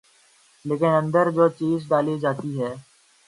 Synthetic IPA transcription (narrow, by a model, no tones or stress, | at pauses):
leːkɪnɐ̃nd̪əɾd͡ʒoːt͡ʃiːzɖaːlid͡ʒaːt̪iɦɛː